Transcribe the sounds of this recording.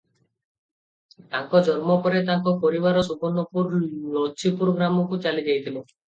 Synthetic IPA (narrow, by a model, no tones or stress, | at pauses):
t̪ãŋkɔd͡ʒɔɾmɔpɔɾet̪aŋkɔpɔɾibaɾɔsupɔnːɔpuɾlɔt͡ʃʰipuɾɡɾamɔkut͡ʃalid͡ʒajt̪ʰilu